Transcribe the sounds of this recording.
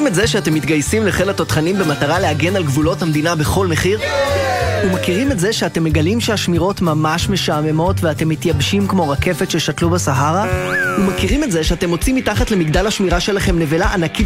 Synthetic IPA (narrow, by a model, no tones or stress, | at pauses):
imetzeʃeate̞mːit̪ɡajsimleχelatotχanimbe̞mataʁaleaɡe̞nalɡvulo̞thamd̪inabe̞χo̞lme̞χiʁ | umakiʁimetze̞ʃeate̞mːe̞ɡalimʃeaʃmiʁo̞tmamaʃme̞ʃamemo̞tveate̞mːitjabʃimkmo̞ʁake̞fe̞tʃe̞ʃatlubasaɦaʁaumakiʁimetze̞ʃeate̞mo̞t͡simːitaχatle̞miɡd̪alhaʃmiʁaʃe̞laχe̞mne̞velaʔanaki